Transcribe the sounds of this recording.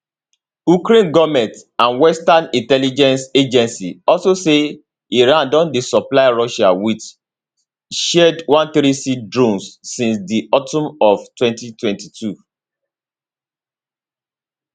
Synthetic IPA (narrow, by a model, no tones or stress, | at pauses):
ukɾẽnɡɔmɛ̃tãnwɛstãnĩntɛlid͡ʒɛ̃nsed͡ʒɛ̃nsḭɔlsose | iɹãndɔ̃ndisɔplaɪɹɔʃawit͡ʃ | ʃɛdwãnθɾisidɹõnsːĩnsdiɔtɔ̃mɔftwɛ̃ntitwɛ̃ntitʰu